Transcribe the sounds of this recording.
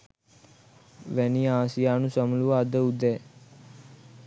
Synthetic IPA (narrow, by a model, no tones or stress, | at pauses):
ʋæniaːsijaːnusəmuluʋəːd̪əud̪ɛː